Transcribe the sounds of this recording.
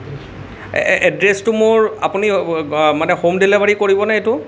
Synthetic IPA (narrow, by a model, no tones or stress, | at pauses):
ɛdɹestʊmʊɹapunimanɛxomdilebaɹikoɹibɔnaetʊ